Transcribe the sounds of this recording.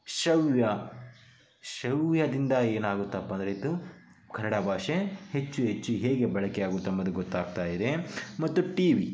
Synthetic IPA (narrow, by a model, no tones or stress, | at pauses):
ʃɐwjɐ | ʃɐwjɐd̪ind̪ɐeːnaːɡut̪ːɐpːɐnd̪ɾeit̪ːu | kʰɐnːɐɽɐbʱaːʂehet͡ʃːuɦet͡ʃːuɦeːɡe̞bɐɭɐkeaːɡut̪ːɐmːɐd̪uɡɔt̪ːaːɡ̚t̪aːjid̪e̞mɐt̪ːuʈiːʋi